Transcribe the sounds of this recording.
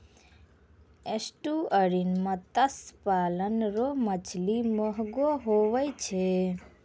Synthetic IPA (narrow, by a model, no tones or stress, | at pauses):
esʈuəɾinmãt̪əspaːlənɾomət͡ʃʰlimɔɦɡoɦoʋəjt͡ʃʰe